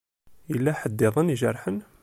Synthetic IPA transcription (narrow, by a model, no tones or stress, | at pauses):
ilːæħəd̪ːɪðˤəniʒəɾˤħən